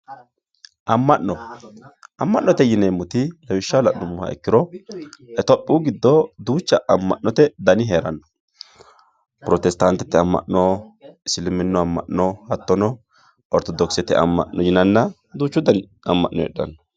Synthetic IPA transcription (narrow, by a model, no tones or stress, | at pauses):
ʔɐmːɐʔnɔ | ʔɐmːɐʔnːɔt̪ɛjɪnɛjmʊt̪ɪlɐwɪʃːalɐʔnɔmʊhɐ̰ɛ̰kːɪɾɔ | ɛt̪ɔpʼːuːɡɪd̪ːɔd̪uːt͡ʃːɐʔɐmːɐ̰ʔnːɔt̪ɛd̪ɐnɪɦeːɾɐnːɔ̥ | pʊɾɔt̪ɛst̪ɐnt̪ːɛt̪ːɛɐmːɐ̰ʔnɔɪsɪlɪmɪnːɔɐmːɐ̰ʔnɔhɐt̪ːɔnɔ | ɔɾt̪ɔd̪ɔksɛt̪ːɛ̰ʔɐ̰mːɐ̰ʔnɔjɪnɐnːɐ | d̪uːt͡ʃːʊd̪ɐnɪ | ɐmːɐ̰ʔnɔɛ̰ɗɐ̰nːɔ̥